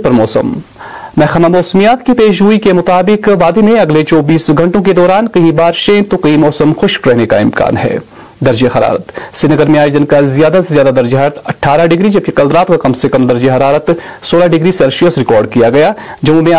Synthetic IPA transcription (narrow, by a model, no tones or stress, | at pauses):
pɐɾmɔːsə̰mː | ɛɦxɐmamɔːsmijaːt̪kipeːʃ̬ɦuikemʊt̪aːbɪkʋaːd̪emẽɐɡlet͡ʃɔːbiːsɡʱɐ̃ɳʈõk̬ed̪ɔːɾaːnkɐɦĩbaːɾʃẽt̪okɐɦimɔːsəmxʊʃkɾɛɦneka̰ɪmka̰ːnɦɛ̰ː | d̪ɐɾd͡ʒeɦɐɾa̰ːɾət̪sɪnəɡəɾmẽaːd͡ʒd̪ɪnkazjaːd̪asezjaːd̪ad̪ɐɾd͡ʒɦaːɾət̪ɐʈʰːaːɾaɖɪɡɾid͡ʒɐb̚kikɐlɾaːt̪kakɐmsekɐmd̪ɐɾd͡ʒeɦɐɾaːɾət̪ | soːlaɖɪɡɾisɛːlʃiəsɾɪkɔːɾɖkijaɡɐjaːd͡ʒɐõmẽ